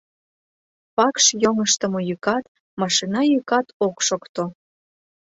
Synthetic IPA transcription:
pɑkʃjoŋəʃt̪ə̆mojykɑt̪ | mɑʃinɑjykɑt̪okʃokt̪o

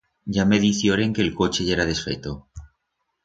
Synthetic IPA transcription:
ɟ͡ʝameðiθjoɾe̞ŋke̞ːlko̞t͡ʃeʝeɾaðe̞sfe̞̰t̪o

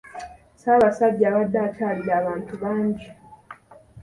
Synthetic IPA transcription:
saːβasaɟːaːβadːaːcaːliaːβaːntuβaːɲɟi

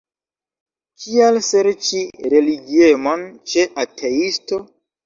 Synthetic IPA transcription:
kʰialse̞ɾt͡ʃiɾe̞liɡiemo̞nt͡ʃe̞ʔatʰeisto̞

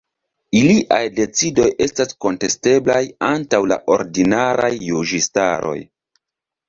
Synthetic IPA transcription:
iliʔajde̞t͡sido̞jʔe̞stasko̞nte̞ste̞blajantawla̰ʔo̞̰ɾdinaɾajːud͡ʒistaɾo̞̰j

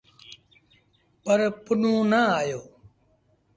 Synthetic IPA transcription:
pəɾpənũːnəaːjoː

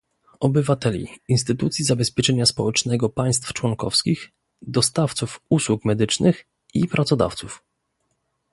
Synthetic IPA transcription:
ɔbɘvat̪ɛlʲḭinst̪ɘt̪ut̪sʲjizabɛspʲjɛt͡ʂɛɲaspɔwɛt͡ʂnɛɡɔpaj̃st̪ft͡ʂwɔŋkɔfskʲix | d̪ɔst̪aft̪sufuswukmɛd̪ɘt͡ʂnɘx | ipɾʔat̪sɔd̪a̰ft̪suf

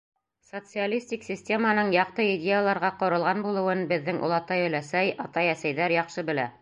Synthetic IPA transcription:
sot̪sɨalʲisʲt̪ʲiksʲɪsʲtʲe̞mənɤɴjɑq̚t̪ɤidʲejalˠɑɾʁɑqŏɾɤ̆lˠʁɑnbulˠɤ̆wɤnbɘ̆ðːɘŋʔṵlˠɑt̪ɑjɵ̆læsæjɑt̪ɑjæsæjðæɾjɑqʃɤbɘ̆læ̰

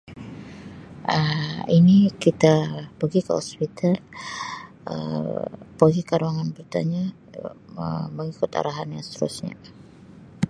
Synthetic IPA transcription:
əinikit̪apəɡikə̰hɔ̰spit̪ʰal | ə̰ | pəɡikaɾuaŋanbərt̪a̰ɲa | ə̰məŋikʊt̪a̰ɾaɦanjaŋst̪əɾṵsɲa̰

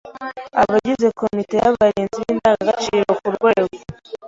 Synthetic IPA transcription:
aβaɟize̞ko̞mite̞jaβaɾiːnziβiːndaːɡaɡat͡ʃiːɾo̞kuɾɡwe̞ːɡo

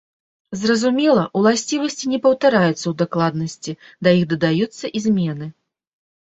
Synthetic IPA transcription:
zrɐzumʲɛlˠɐʔwlˠasʲt͡sʲivɐsʲt͡sʲinʲɛpɐwt̪aɾajut̪sːɐwd̪aklˠad̪̚nɐsʲt͡sʲid̪ɐjixd̪ɐd̪ajut̪sːɐʔizʲmʲɛnɨ

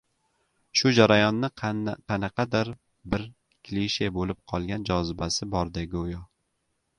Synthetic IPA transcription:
ʃʊd͡ʒaɾajɒnːɪqʰɑnɑqʰɑd̪aɾ | bɪɾ | kʲʰliʃe̞bolɪp̚qʰɒlˠɡʲand͡ʒɒzɪbasɪbɒɾd̪aɡʲʊjɒ

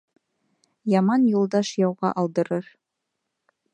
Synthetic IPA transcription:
jɑmɑnjulˠd̪ɑʃjɑwʁɑ̰ʔɑlˠd̪ɤ̆ɾɤɾ

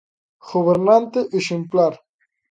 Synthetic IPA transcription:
ɣoβeɾnant̪eʔeʃemplaɾ

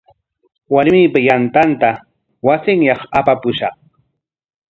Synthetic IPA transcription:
waɾmɪːpajant̪ant̪a | wasɪŋjɑχapapʊʃɑχ

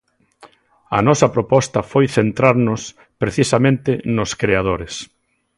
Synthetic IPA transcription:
ɐ̰nɔsɐpɾopɔst̪ɐfojθent̪ɾaɾnʊs | pɾeθisɐmẽnt̪ɪnʊskɾeað̞oɾɪs

